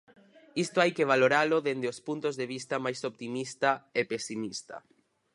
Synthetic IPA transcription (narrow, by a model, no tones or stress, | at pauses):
ist̪oajkeβ̞aloɾaloðend̪eospunt̪ozðeβist̪amajsopt̪imist̪aepesimist̪ɐ̰